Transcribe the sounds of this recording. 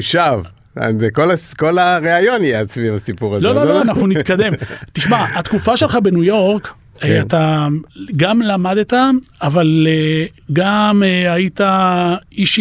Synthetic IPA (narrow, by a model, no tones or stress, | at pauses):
ʃav | a̰zekolaskolaʁeajo̞nijeasvivasipuʁazlo̞looanaχnunit̪kad̪e̞mt̪iʃmaat̪kufaʃe̞lχabenujo̞ʁk | eat̪a | ɡamlamad̪et̪aavale | ɡameaitaiʃ